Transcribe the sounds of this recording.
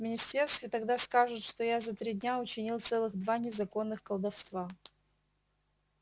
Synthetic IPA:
vmʲɪnʲɪsʲtʲe̞rst̪vʲɪt̪ɐɡd̪askaʐɨt̪ʂt̪ojazɐt̪ɾʲidʲnʲaʊt͡ɕɪnʲilˠt̪sɛlˠɨɣd̪vanʲɪzɐko̞nːɨxkəlˠd̪ɐfst̪va

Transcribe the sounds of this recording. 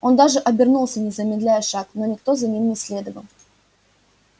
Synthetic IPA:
o̞nd̪aʐɨʔɐbʲɪrnulˠsʲənʲɪzəmʲɪd̪lʲæjəʂakno̞nʲɪk̚t̪o̞zɐnʲimnʲɪsʲlʲe̞d̪əvəlˠ

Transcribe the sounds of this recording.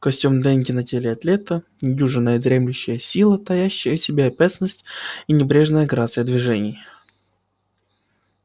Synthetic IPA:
kɐsʲtʲumd̪ɛnʲɡʲɪnɐtʲelʲɪɐt̪lʲe̞t̪ənʲɪdʲuʐɨnːəjəd̪ɾʲe̞mlʲʉɕːɪjəsʲilˠət̪ɐjæɕːɪjəsʲɪbʲeɐpʲat̪snːəsʲtʲinʲɪbɾʲe̞ʐnəjəɡɾat̪sɨjəd̪vʲɪʐɛnʲɪj

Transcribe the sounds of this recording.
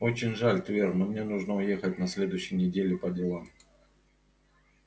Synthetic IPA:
o̞t͡ɕɪnʲʐalʲt̪vʲernəmnʲenuʐnəʊjexət̚ʲnɐsʲlʲe̞d̪ʊjʏɕːɪjnʲɪdʲelʲɪpədʲɪlˠam

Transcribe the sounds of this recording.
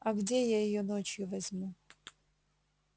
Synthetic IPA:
ɐɡdʲejajɪjonot͡ɕjʊvɐzʲmu

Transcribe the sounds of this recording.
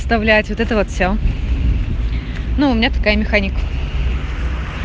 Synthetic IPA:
st̪ɐvlʲætʲvot̪ɛt̪əvot̪fʲsʲo | nuʊmʲɪnʲat̪ɐ̥kajəmʲɪxanʲɪkə

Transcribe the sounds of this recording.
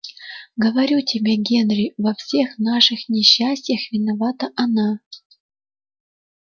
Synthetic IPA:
ɡəvɐɾʲutʲibʲeɡʲenrʲivɐfsʲexnɑʂɨxnʲɪɕːasʲtʲjəxvʲɪnɐvɑt̪əʔɐnɑ

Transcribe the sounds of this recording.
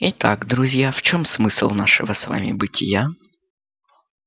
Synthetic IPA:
ɪt̪aɡd̪ɾʊzʲjaft͡ɕo̞msmɨslˠnaʂɨ̰vəsva̰mʲɪ̰bɨtʲɪ̰ja

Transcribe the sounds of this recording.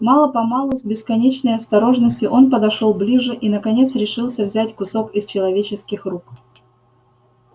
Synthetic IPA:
mɑlˠəpɐmɑlˠʊzʲbʲɪskɐnʲet͡ɕnəjɐst̪ɐɾo̞ʐnəsʲtʲɪʔo̞npəd̪ɐʂolˠblʲiʐɨʔinəkɐnʲe̞t̪sɾʲɪʂɨlˠsʲəvzʲætʲkʊso̞kɪst͡ɕɪlˠɐvʲet͡ɕɪskʲɪxruk

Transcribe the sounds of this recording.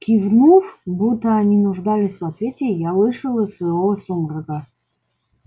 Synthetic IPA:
kʲivnufbut̪ːəɐnʲinʊʐd̪alʲɪsʲvɐt̪vʲetʲɪjalˠɨʂɨlˠəsvəjvosumrəɡa

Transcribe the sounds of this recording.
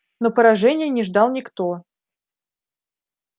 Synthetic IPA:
nopəɾɐʐɛnʲɪjənʲɪʐd̪ɑlˠnʲɪkt̪o

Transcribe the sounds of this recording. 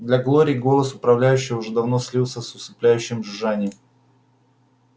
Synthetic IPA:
d̪lʲɐɡlˠoɾʲɪɡo̞lˠəsʊpɾɐvlʲæjʉɕːɪjʊʐɛd̪ɐvno̞sʲlʲilˠsʲəsʊsɨplʲæjʉɕːɪmʐɨʐanʲɪjəm

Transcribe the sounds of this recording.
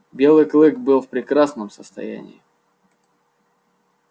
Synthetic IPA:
bʲe̞lˠɨjklˠɨkbɨlˠfpɾʲɪkɾasnəmsəst̪ɐ̰jæ̰nʲɪ̰ɪ

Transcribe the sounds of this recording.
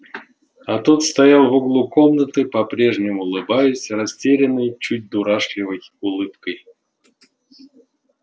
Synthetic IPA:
at̪ot̪st̪ɐjalˠvoɡlˠʊko̞mnət̪ɨpɐpɾʲe̞ʐnʲɪmʊːlˠɨbajʊsʲrɐsʲtʲeɾʲɪnːɨjt͡ɕut̚ʲd̪uɾaʂlʲɪvəj | ʊlˠɨp̚kəj

